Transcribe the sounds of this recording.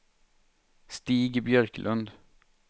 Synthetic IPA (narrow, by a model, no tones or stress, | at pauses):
st̪iːɡbjœɾklʔɵnd̪